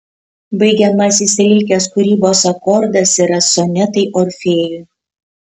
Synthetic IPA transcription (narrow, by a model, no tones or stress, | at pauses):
bɐɪɡʲɛmɐsisʲɪlʲɪlʲkʲeːskʊɾʲiːboːsɐkɔɾd̪ɐsiɾɐsɔnʲɛt̪ɐɪʔɔɾʲfʲeːjʊɪ